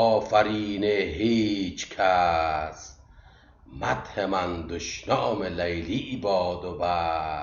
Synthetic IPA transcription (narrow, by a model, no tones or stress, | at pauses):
ɔːfaɾiːneɦiːt͡ʃʰkʰas | mat̪hemand̪oʃnɔːmelajliʔbɒːd̪oba